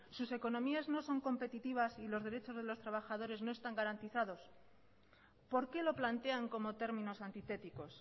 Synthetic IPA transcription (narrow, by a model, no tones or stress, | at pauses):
suse̞ko̞nõ̞miazno̞so̞ŋko̞mpe̞t̪it̪iβ̞asilo̞zðeɾe̞t͡ʃo̞zð̞e̞lo̞st̪ɾaβ̞axað̞o̞ɾe̞zno̞e̞st̪aŋɡaɾant̪iθaðo̞s | po̞ɾke̞lo̞plant̪e̞aŋko̞mo̞t̪e̞ɾmĩno̞sant̪it̪e̞t̪iko̞s